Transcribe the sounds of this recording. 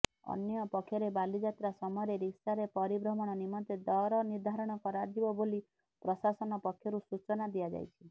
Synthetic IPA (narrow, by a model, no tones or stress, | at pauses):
ɔ̰njɔpɔkʰːjɔɾebalid͡ʒat̪ɾasɔmɔɔɾeɾiksaɾepɔɾibɾɔmɔɽ̃ɔnimɔt̪ed̪ɔɾɔniɾd̪ʱaɾɔɽ̃ɔkɔɾad͡ʒibɔboli | pɾɔsasɔnɔpɔkʰːjɔɾusut͡ʃɔnad̪iad͡ʒa̰jt͡ʃʰi